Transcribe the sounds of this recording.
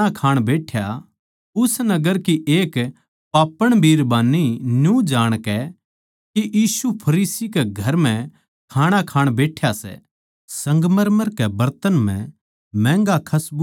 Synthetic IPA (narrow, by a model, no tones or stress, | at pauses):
akʰaːɽ̃beːʈʰja | ʊsnɐɡəɾkiʔeːk | paːpəɽ̃bʱiːɾbaːnːinjũd͡ʒaːɽ̃kɛ | kiʔjiːsupʰɐɾiːsikɛɡʱɐɾm̤ɛ̃ | kʰaːɽ̃akʰaːɽ̃beːʈʰjasɛ̰ | sɐ̃ŋɡməɾməɾkɛbɐɾt̪ənm̤ɛ̰̃ | mɛ̃ːŋɡakʰɐsb